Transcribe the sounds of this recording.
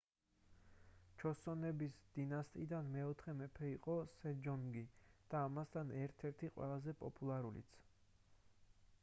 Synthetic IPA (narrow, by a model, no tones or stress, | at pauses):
t͡ʃʰɔsɔnɛbisd̪̥inast̪ʼid̪anmɛɔt̪ʰχɛmɛpʰɛiqʼɔsɛd͡ʒɔŋɡid̪̥aːmast̪ʰanɛɾt̪ʰɛɾt̪ʰiqʼwɛ̰lˠazɛpʼɔ̰pʼulˠaɾulḭt̪sʰ